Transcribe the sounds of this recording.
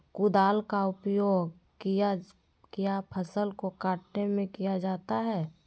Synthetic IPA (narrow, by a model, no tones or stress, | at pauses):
kʊd̪aːlkaʊpjoːɡ | kija | kijapʰəsəlkokaːʈnemẽkijad͡ʒaːt̪aɦɛː